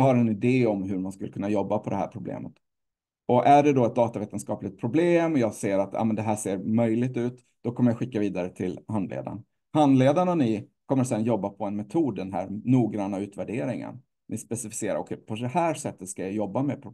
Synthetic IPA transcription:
haɾɛnɪd̪eːɔmɦɵɾmanskɵlːəkʰɵnːajɔbːapʰɔd̪ɛɦæ̰ːɾpʰɾʊblḛːmət̪ | ɔʔæɖɛd̪ɔɛt̪̚d̪ɑːt̪aveːt̪ənskɑːplɪt̪̚pʰɾʊbleːmɔjɑːɡseːɾat̪jɑ̰ːmɛnd̪ɛɦæːʂeːɾmœjlɪɡ̚t̪ʉ̟ːt̪ | d̪̥ɔkʰɔmːəɾjaɧɪkːaviːd̪aɾət̪ʰɪlhand̪lḛːd̪a̰n | hand̪leːd̪ananɪkʰɔmːəɾsɛnːjɔbːapʰɔɛnmɛt̪ʰuːd̪ːɛnɦæ̰ːɾnuːɡɾanːaʉ̟ːt̪væɖeːɾɪŋə̰n | nɪspɛsɪfɪ̥seːɾa̰ɔkʰɛpʰɔd̪ɛhæːʂɛt̪ːət̪skajajɔbːamɛpʰɾʊ

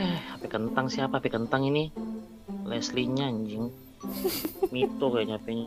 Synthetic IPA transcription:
ɛhapɛkənt̪aŋsiapaːpɛkənt̪aŋini | lɛsliɲaɲd͡ʒɪŋ | mit̪okaaɲapɛɲ

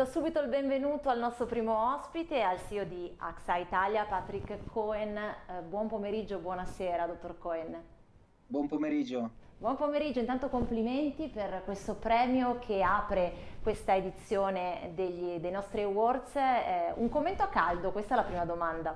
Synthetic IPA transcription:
d̪ɔsuːbit̪oilbeɱvenuːt̪oalnɔst̪ɾopɾiːmoɔspit̪ealsiːod̪iaksait̪aljapat̪ɾikːkʰːɔenbwɔmpomeɾid͡ʒːobwɔnaseːɾad̪ot̪ːorkɔen | bwɔmpomeɾid͡ʒobwɔmpomeɾid͡ʒːoint̪ant̪okompliment̪iperkwest̪opɾɛːmjokʰeaːpɾekwest̪aed̪it̪sːjoːned̪eʎːd̪ejnɔst̪ɾiawɔrd̪sɛuŋkomːent̪oakːald̪okwest̪aɛlapɾiːmad̪omand̪a

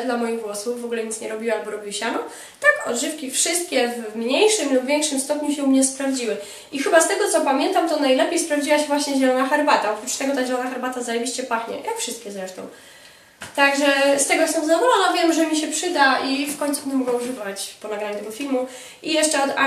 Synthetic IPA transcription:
d̪lamɔjiɣɡwɔsufːɔɡulɛɲit̪sɲɛɾɔbʲiwaalbɔɾɔbʲiwɕanɔ | t̪akɔ̰d̪ʐɘfkʲifʂɘst̪̚kʲɛvmɲejʂɘmlubvʲjɛŋkʂɘmst̪ɔpɲuɕɛumɲɛspɾavd͡ʑiwɘ | ixɘbast̪ɛɡɔt̪sɔpamʲjɛnt̪amt̪ɔnajlɛpʲjejspɾavd͡ʑiwaɕɛvwaɕɲɛʑɛlɔnaxɛɾbat̪aɔpɾut͡ʂt̪ɛɡɔt̪aʑɛlɔnaxaɾbat̪azajɛvʲiɕt͡ɕɛpaxɲɛ̰jakfʂɨst̪̚kʲɛzɾɛʂt̪ɔ̃w̃ | t̪aɡʐɛst̪ɛɡɔst̪ɛmzad̪ɔvɔlɔnɔvʲjɛmʐɛmʲiɕ̬ɛpʂɘd̪aifkɔɲtsubɛnd̪ɛmɔɡɛuʐɨvat͡ɕpɔnaɡɾaɲut̪ɛɡɔfʲilmu | ijɛʂt͡ʂɛɔd̪a̰

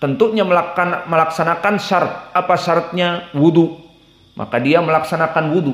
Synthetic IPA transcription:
t̪ənt̪uɲaməlaanməlaksanakansart̪̚apasart̪̚ɲawudu | mʔa̰kadiaməlaksanakanwudu

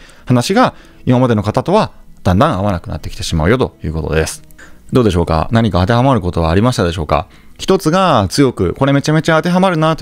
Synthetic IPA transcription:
hanaɕiɡa | imamad̪e̞no̞kat̪at̪o̞βad̪̥ãnd̪ãɰ̃aβanakɯ̟nʔa̰t̪ːe̞kʲi̥t̪e̞ɕimaɯ̟jo̞t̪o̞̰jɯ̟ːko̞t̪o̞̰d̪e̞sɨ̥d̪o̞ːd̪e̞ɕ̬o̞ːka̰naɲ̟ikaat̪e̞ɦamaɾɯ̟ko̞t̪o̞βaːɾʲimaɕi̥t̪ad̪e̞ɕo̞ːka̰ | çi̥t̪o̞t͡sɨɡat͡sɨjo̞kɯ̟̰ko̞ɾe̞me̞t͡ɕame̞t͡ɕaːt̪e̞ɦamaɾɯ̟nat̪o

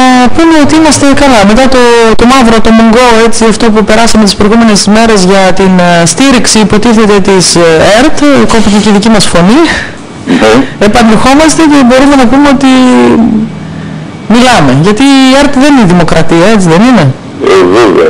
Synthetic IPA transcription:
nɐpume̞o̞t̪iimɐst̪e̞kɐlɐme̞t̪ɐt̪o̞t̪o̞mɐvɾot̪o̞moŋɡo̞e̞t͡siɐft̪o̞pupe̞ɾɐsɐmet̪ispɾo̞iɣume̞ne̞sme̞ɾe̞zʝɐt̪inst̪iɾiksiːpo̞t̪iθe̞t̪e̞t̪iseɾt̪ko̞pit̪eceðicimɐsfo̞ni | epɐnexo̞mɐst̪e̞ce̞bo̞ɾumenɐpumeo̞t̪i | milɐme̞ʝɐt̪ie̞ɾt̪ðe̞niniðimo̞kɾʔɐt̪iɐe̞t͡siðe̞nine̞ | evevḛo̰

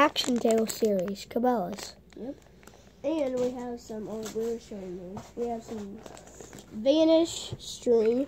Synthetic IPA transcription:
ækʃn̩tʰeɪlˠsɪɹiz̥kʰəbɛlˠəs | jɛp | ɨ̃nwiəv̥sʌ̃moʊlˠd̚wɪɹʃoʊɪ̃ŋnõzwiɨv̥sʌ̃m | vænɪʃstɹ̥ĩm

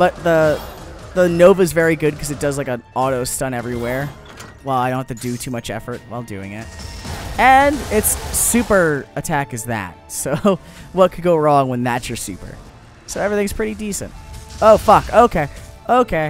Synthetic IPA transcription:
b̥ʌt̪̚ðə | ðənoʊvɨzvɛɹiɡʊd̚kʰʌzɨt̚d̥ʌzlaɪkə̃nɑɾoʊstʌ̃ñɛvɹiwɛɹ | wɛlˠaɪdõʊ̃nhæftʰɨdɨtʰʉmʌt͡ʃɛ̰fə˞t̚waɪlˠdʉ̰ɪ̰̃ŋɪ̰t̚ɨ̃nɪtsʉpə˞ɨtʰækɨzðæ̰t̚soʊʊ | wʌt̚kʰɨd̚ɡoʊɹɔ̃ŋwə̃nðætsjə˞sʉ̰pə̰˞ | soʊɛvɹiθɪ̃ŋz̥pʰɹ̥ɪɾidisɨ̰̃nt̚oʊfʌkoʊkʰeɪ | ʔoʊkʰeɪ

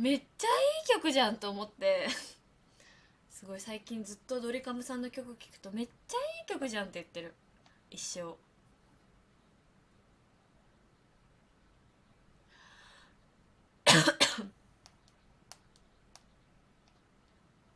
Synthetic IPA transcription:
me̞aiːkʲo̞kɯ̟ʑãnt̪o̞ːmo̞t̪ːe̞ | sɨɡo̞isaikʲĩnd͡zɨt̪ːo̞d̪o̞ɾʲikamɯ̟sãnːo̞kʲokɯkʲi̥kɯ̥t̪o̞me̞ːaiːkʲo̞kɯ̟ʑãnt̪ːe̞jɯ̟t̪ːe̞ɾɯ̟ | iɕːo̞ː

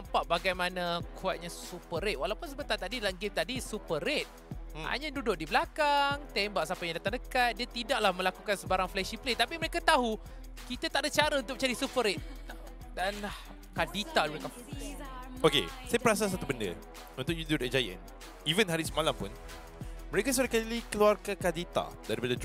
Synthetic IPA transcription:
nampaʔbaɡajmanãkʰuat̪̚ɲassupəɾet̪̚walawpʊns̬əbət̪at̪adilaŋɡemt̪adisupəɾet̪̚ | ha̰ɲãdudʊʔ̚dibəlakaŋt̪ɛmbaʔsapajadat̪aŋdəkat̪̚diat̪idaʔ̚lahmə̃lakukansəbaɾaŋflɛʃiplet̪apiməɾekat̪aɦu | kit̪ət̪aʔdat͡ʃaɾaunt̪ʊk̚mət͡ʃaɾisupəɾet̪̚ | dana | kadit̪adiaka | okḛsajəpəɾas̬as̬at̪ubəndə̰ | unt̪ʊk̚jud̪udad͡ʒajə̰n | ivənɦaɾisəmalampʊ̰n | məɾekas̬ulakalikəluarkakadit̪a̰daɾipadad

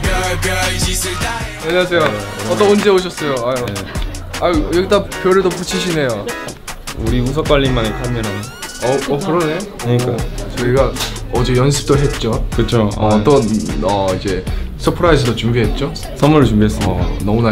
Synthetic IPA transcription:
jeɲeasʰe̞joʌtt͈ʌond͡ʑeoɕ̬ʰʌs͈ʌjoajoeajʌɡit͈apjʌɾedoput͡ɕʰiɕʰine̞jo | uɾius̬ʰʌk͈waʎːinmanekʰamjʌnan | ʌʌkɯɾʌne̞jokɯɲik͈at͡ɕʌiɡaʌd͡ʑejʌnsʰɯ̥p̚t͈oɭɦe̞t̚t͡ɕ͈okɯt͡ɕʰoʌt͈ʌʌid͡ʑe̞sʰɯpʰɯɾaisʰʌdot͡ɕumbiɦe̞t̚t͡ɕ͈o | sʰʌmuɾɯt͡ɕumbiɦes͈ɯmʌ̰nʌmuna

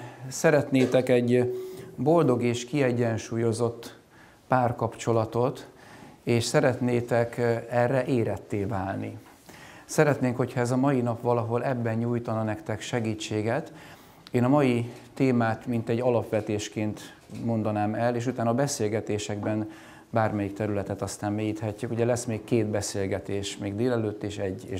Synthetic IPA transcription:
sɛɾɛt̪neːt̪ɛkɛɟ | bo̞ld̪o̞ɡeːʃkiɛɟːɛnʃuːjo̞zo̞t̪ː | paːrkɒpt͡ʃo̞lɒt̪o̞t̪ | eːʃsɛɾɛt̪neːt̪ɛkɛrːɛʔeːɾɛt̪ːeːvaːlni | sɛɾɛt̪neːŋkho̞chɒɛzɒmɒjinɒpʋɒlɒɦo̞lɛbːɛnɲuːjt̪ɒnɒnɛkt̪ɛkʃɛɡiːt͡ʃːeːɡɛt̪ | eːnɒmɒjit̪eːmaːt̪mint̪ɛɟːɒlɒpʋɛt̪eːʃkeːnt̪ | mo̞nd̪ɒnaːmɛleːʃ̬ut̪aːnɒbɛseːlɡɛt̪eːʃɛɡbɛn | baːrmɛjik̚t̪ɛɾylɛt̪ɛt̪ɒst̪aːmmeːjiːt̪hɛcːykuɟɛlɛsmeːkkːeːd̪bɛseːlɡɛt̪eːʃmeːɡd̪eːlɛløːt̪ːeːʃɛɟːeː

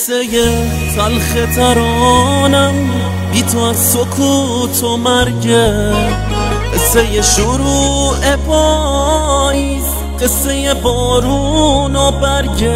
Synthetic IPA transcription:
seje | salxet̪ʰaɾɔnan | bit̪ʰoazsokʰu | t̪ʰɔmaɾɟe | esejeʃuɾuebɔ | is | qesejebɔːɾunɔbaɾɟe

